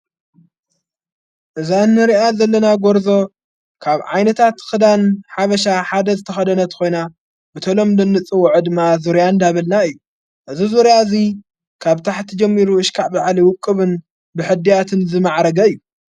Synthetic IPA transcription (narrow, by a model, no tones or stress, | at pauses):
ʔɨzanːɨɾiʔazɐlːɐnaɡoɾzo̞ | kʰaβʕa̰jnɐt̪ʰat̪xɨd̪anħaβɐʃaħad̪ɐzɨt̪ʰɐxɐd̪ɐnɐt̪ko̞jna | bɨt̪ʰɐlo̞mlɨnːɨt͡sʼɨwʊʕɨd̪ɨmːazuɾjand̪aβɐlnaɨjːu | ʔɨzizuɾjazi | kʰaβt̪ʰaħt̪ʰɐd͡ʒɐmːiɾuɨʃkʰaʕbaʕliwʊkʼːɨβɨn | bɨħɨd̪ːijat̪ʰɨnzɨmaʕɾɐɡɐɨjːu